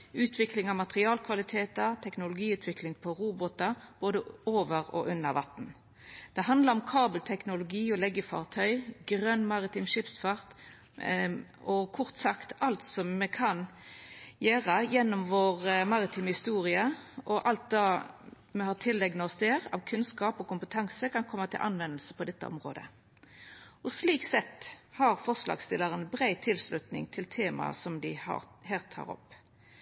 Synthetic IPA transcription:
ʉːt̪ʰʋɪklɪŋɑʋmɑt̪ʁɪɑːlkʰʋɑlɪt̪ʰeːt̪ɑt̪ʰɛknʊlʊɡiːʉːt̪ʰʋɪklɪŋpʰɔɾuːbɔt̪ɑb̥oːd̪əoːʋəʁɔ̰ʔʉnːəɾʋɑt̪n̩ | d̪̥ɛɦɑnd̪ləʁɔmkʰɑːbəlt̪ʰɛknʊlʊɡiːɔlɛɡːəfɑ̰ːʁt̪ʰœʏɡʁœnmɑʁɪt̪ɪmʃɪpsfɑʁt̪ | ɔkʰɔʁt̪sɑkt̪ɑlt̪sɔmːɛkʰɑn | jøːɾəjɛnːɔmʋoːʁmɑʁɪt̪ʰyːmhɪst̪uːʁɪəʔɔʔɑlt̪̚d̪ɑː | mɛhɑːʁt̪ʰɪlːɛɡnəɔsd̪eːʁɑ̰ʋkʰʉnskɑːpɔkʊmpət̪ʰɑŋsəkɑnkʰɔmːət̪ʰɪ̰lʔɑ̰nʋɛnəlsəpʰɔd̪ɛt̪ːə̰ʔɔ̰mʁo̰ːd̪ə̰ | ɔsliːksɛt̪ːhɑɾfɔʁʂlɑ̰ːɡst̪ɪlːəʁənbɾæɪt̪ʰɪlslʉt̪nɪ̰ŋt̪ʰɪlt̪ʰeːmɑ̰sɔmd̪ɪɑ̰hɛːlt̪ʰːɑ̰ːʁɔ̰pː

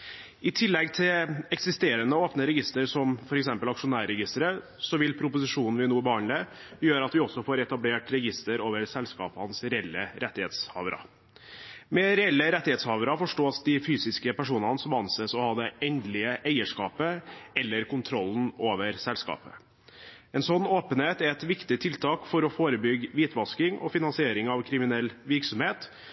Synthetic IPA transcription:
ɪt̪ʰɪlːɛɡt̪ʰɪlɛksɪst̪eːɾənəoːpnəɾɛɡɪst̪əɾsɔmfɔɾɛksɛmpəlɑkʂʊnæːɾɛɡɪst̪əɾə | sɔʋɪlpʰɾʊpʊsɪʂuːnn̩ʋɪnuːbəhɑnləjøːɾɑt̪ʋɪɔsːɔfoːɾɛt̪ɑbleːʈɾɛɡɪst̪əɾoːʋəɾsɛlskɑ̰ːphɑnsɾɛɛlːəɾʔɛt̪ːɪheːt̪shɑ̰ːʋəɾɑ̰ | mɛɾɛɛlːəɾɛt̪ːɪheːt̪shɑːʋɾɑfɔʂʈoːsd̪ɪfyːsɪskəpæʂuːnɑnəsɔmɑnsɛsɔhɑːd̪ɛʔɛnd̪lɪəʔæɪəʂkɑːpəɛlːəɾkʰʊnt̪ʰɾɔlːnoːʋəɾsɛlskɑ̰ːpə̰ | ɛnsɔnːoːpənheːt̪æɾɛt̪ʋɪkt̪ɪt̪ʰɪlt̪ʰɑːkfɔɾɔfoːɾəbʏɡʋiːt̪ʰʋɑskɪŋʔɔ̰fɪnɑnsɪeːɾɪŋɑʋkʰɾɪmɪnɛlːʋɪɾksɔmheːt̪

